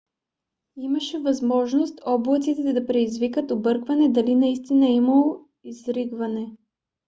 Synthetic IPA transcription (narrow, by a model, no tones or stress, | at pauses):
imɐʃɛvɐzmɔʒnost̪ɔblˠət̪sit̪ɛd̪ɛd̪ɐpɾɛd̪izvikət̪obɤɾkvɐnɛd̪ɐlinɐist̪inɐimɐlˠo | izɾiɡvɐnɛ